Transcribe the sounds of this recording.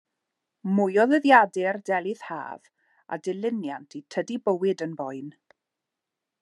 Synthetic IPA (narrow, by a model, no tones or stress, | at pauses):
mʊjɔðəðjadɪrdɛlˠɪð̥ha̰ːv | a̰dɪlɪnja̰ntʰitʰədibəwɪdənbɔjn